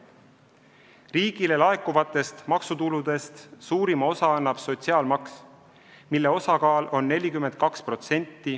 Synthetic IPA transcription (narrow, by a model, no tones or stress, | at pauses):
riːɡ̥ile̞lɑe̞kːˑuvɑt̪ːˑe̞st̪mɑksut̪ulud̪e̞st̪suːɾimɑo̞sɑɑnːɑb̥so̞t̪siɑːlmɑks | milːe̞o̞sɑkɑːlo̞nːe̞lʲikyme̞nt̪̚kɑkspro̞t̪se̞nʲt̪ːˑi